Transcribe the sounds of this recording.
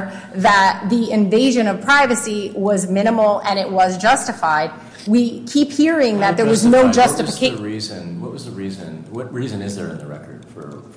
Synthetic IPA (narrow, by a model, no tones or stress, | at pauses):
ðət̪̚ðiɪ̃ɱveɪʒɨ̃nʌv̥pʰɹ̥aɪvɨsiwʌzmɪ̃ɾ̃əml̩ˠɨ̃ñɪʔ̚wʌzd͡ʒʌstɨfaɪd̚ | wikʰiphiɹɪ̃ŋðɨt̪̚ðə˞wʌznoʊd͡ʒʌstɨfɨkʰeɪɹizɨ̃nwʌt̚wʌzðəɹizɨ̰̃nwʌt̚ɹizɨ̃nɨzðə̰˞ɨ̰̃nðəɹɛ̰kʰə˞d̥fə̰˞